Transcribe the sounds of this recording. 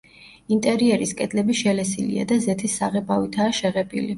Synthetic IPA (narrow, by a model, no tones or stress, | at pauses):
int̪ʼɛɾiɛɾiskʼɛd̪lɛbiʃɛlɛsilḭa̰d̪azɛt̪ʰisːaʁɛbavit̪ʰaːʃɛʁɛbʼḭli